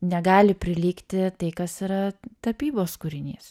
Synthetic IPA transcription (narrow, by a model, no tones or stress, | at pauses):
nʲɛɡɑːlʲɪpʲɾʲɪlʲiːkt̪ʲɪt̪ɐɪkɐsiːɾɐt̪ɐpʲiːboːskʊɾʲɪnʲiːs